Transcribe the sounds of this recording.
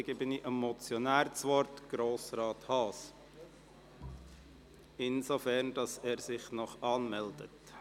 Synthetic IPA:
ɡɪbəniʔəmːɔt͡sjɔnæːɾt͡sʋɔɾtɡ̥ɾoːsɾɑːthɑːs | ɪnzofɛɾnd̥ɑsɛːɾzɪχnɔχɑːnmɛld̥ət

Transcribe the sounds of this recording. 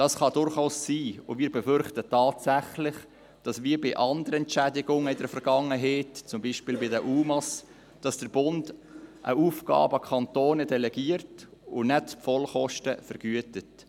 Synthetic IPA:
d̥ɑsχɑdʊɾχaʊsːiːʊmɪːɾbɛfʏɾχtətɑːtsæχlɪχ | d̥ɑsʋiːəɾbɪʔɑndəɾəɛnt͡ʃædɪɡʊŋəɪdəɾfəɾɡ̥ɑŋːəɦɛːtt͡sʊmbiːʃpɪːlbɪdəʔuːmɑs | d̥ɑsd̥əɾb̥ʊndʔə̰uːfɡ̥ɑ̰ːbəkʰɑntoːnɛdɛlɛɡ̥iərtʊnɛtpfɔlχɔʃtəfəɾɡ̥yətət

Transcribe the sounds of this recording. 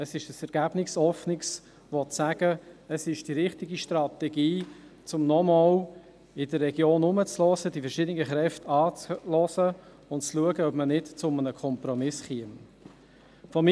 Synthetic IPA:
əsɪʃəsɛɾɡ̥æb̥nɪsɔfnɪks | ʋɔtsæɡ̥əəsɪʃd̥iɾɪχtɪɡiʃtrɑt̪ɛɡiːt͡sʊmnɔmɔl | ɪdərːɛɡjoːnʊmət͡slɔzədifəɾʃɪdənɪɡəχɾɛftɑːt͡slɔzə | ʊntt͡sluəɡəœb̥mənɪtt͡sʊmənəkʰɔmpɾɔmɪsχiəm | fɔm

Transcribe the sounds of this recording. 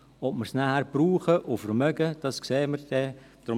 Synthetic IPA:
ɔpməɾsnahæɾb̥ɾuːχəʔofəɾmœɡəd̥ɑskseːmərd̥ɛ | d̥ɾʊ

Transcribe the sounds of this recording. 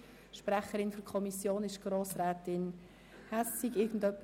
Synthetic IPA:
ʃpɾɛχəɾɪnfɔkʰɔmisjoːnɪʃɡ̥ɾoːsɾɛːtɪn | hæssiɡɪɡn̩dœpː

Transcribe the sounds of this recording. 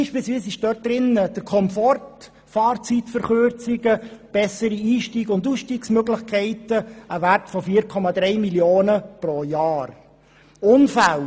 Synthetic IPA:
ɪnʃpisʋiːsɪʃd̥øːt̚d̥̪ɾɪnːəd̥əɾkʰɔmfɔrt | fɑːɾt͡sitfəɾχøɾt͡sɪɡəb̥ɛsəɾiiːʃtiːɡʊndusʃtiːksmøɡlɪχkʰɛɪtəəværtfɔfiːəɾkʰɔmɑd̪ɾɛɪmiljoːnəproːjɑːr | ʊnfæl

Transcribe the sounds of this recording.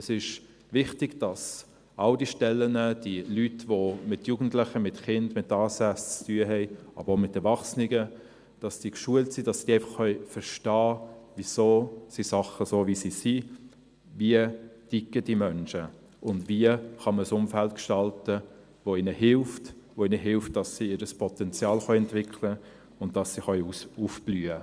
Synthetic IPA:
ɛsɪʃ | vɪχtɪɡ̥d̥ɑs | ɑʊdiʃtɛlːənəd̥ilytvomɪtjuːɡn̩tlɪχəmɪtχɪndmɪtːɑːsæt͡st͡styəɦɛɪʔɑ̰b̥əɾoʊmɪtɛɾvɑχsnɪɡə | d̥ɑsd̥ikʃuəltsid̥ɑsd̥iæɪfɑχːœʏfəɾʃtɑːvisoːsisɑχəsoːʋisisi | viətikːəd̥imœnʃə | ʔʊndviəχɑməsʊmfælt̚kʃtɑltə | ʋoinəhɪlft | ʋoinəɦɪlft̚d̥ɑsːiɪɾəspɔtɛnt͡sjɑːlχœɛntvɪkʰlə | ʊndd̥ɑsːiχœʏufb̥lyːə

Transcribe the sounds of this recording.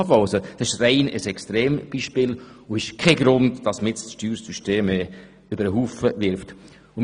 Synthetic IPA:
fɔwsəd̥ɑsɪʃrɛɪnəsɛkstɾeːmb̥iːʃpɪːlʊɪʃkʰɛɡɾʊndd̥ɑsməɪt͡sʃtyːɾsyʃteːmɛ | øbəɾəɦuːfəʋɪɾft | ʊ

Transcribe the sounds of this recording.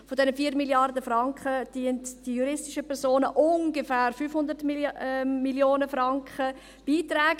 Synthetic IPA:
fodɛnəfiːəɾmiljɑrdəfɾɑŋkχəd̥iːəntd̥ijuɾɪstɪʃəpɛɾsoːnəʔʊŋɡəfæːɾfyːfhʊndəɾtmː | iljoːnəfɾɑŋkχə | b̥iːt̪ɾɛːɡ

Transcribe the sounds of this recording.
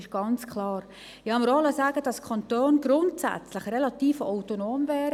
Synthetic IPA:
ɪʃɡ̥ɑnt͡skʰlɑːɾ | ɪhɑməɾɑləsaːɡəd̥ɑskʰɑntoːnɡ̥ɾʊntsɛ̰t͡sləχrelɑt̪iːfaʊtonoːmvɛːɾə

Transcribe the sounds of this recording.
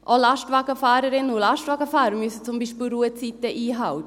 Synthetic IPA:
ʔɔlɑʃtvaːɡəfaːɾəɾɪnənulɑʃtvaːɡəfaːɾəɾmysət͡sʊmbiːʃpiːlɾuət͡sit̪əʔiːɦɑwt̪ə

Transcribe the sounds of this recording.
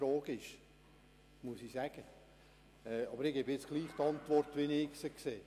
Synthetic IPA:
ɾɔːɡ̥ɪʃ | musisæɡ̥ə | ɛːɑbəɾɪɡ̥ebjɪt͡sɡ̥liːχt̪ɑntʋɔrtʋinɪksəkseː

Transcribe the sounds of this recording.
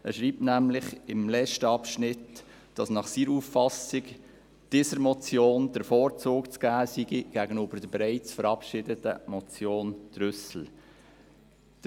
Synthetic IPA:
ɛʃɾiːp̚tnæmlɪχɪmlɛt͡ʃtəɑpʃnɪt | d̥ɑsnɑχsiːɾufːɑsɪk | d̥isəɾmɔt͡sjoːnd̥əɾfɔːɾt͡soːkt͡sɡ̥æːsiɡiɡ̥æɡənøb̥əɾd̥əbɛɾɛɪt͡sfəɾɑpʃɪdətə̰mɔt͡sjoːnd̪̥ɾʏsl̩ | d̥

